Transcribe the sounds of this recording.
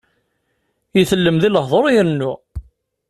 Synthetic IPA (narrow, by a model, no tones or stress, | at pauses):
iθəlːəmðiləhðˤoɾˤjəɾənːu